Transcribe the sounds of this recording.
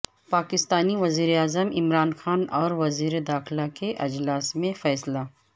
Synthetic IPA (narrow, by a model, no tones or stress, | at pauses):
paːkɪst̪aːniʋɐziːɾeaːzəmɪmɾaːnxaːnɔːɾʋɐziːɾed̪aːxɪlakeʔɐd͡ʒlaːsmẽfɛːsla